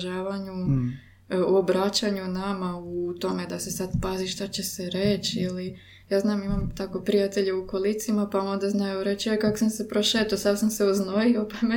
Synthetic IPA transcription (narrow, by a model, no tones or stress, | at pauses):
ʒaːʋaɲu | obɾat͡ɕaɲunamaut̪o̞me̞d̪ase̞sad̪paziʃt̪at͡ɕe̞seɾet͡ɕili | jaːznaːmimamt̪ako̞pɾijat̪eʎeukolˠit̪simapao̞nd̪aznajuɾe̞t͡ɕojikakosamse̞pɾoʃeːt̪osaʋsamse̞uzno̞jio̞pame